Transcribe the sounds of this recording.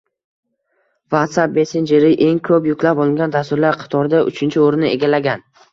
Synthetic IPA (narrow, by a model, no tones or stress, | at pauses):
vat̪sap̚be̞send͡ʒe̞ɾɪʔe̞ŋkʰɵpjʊkʲlapɒlˠɪŋɡʲand̪ast̪ʊɾlaɾqʰɑ̥t̪ʰɒɾɪd̪aʔʊ̰t͡ʃʰɪnt͡ʃʰɪoɾnɪʔe̞̰ɡʲalaɡʲan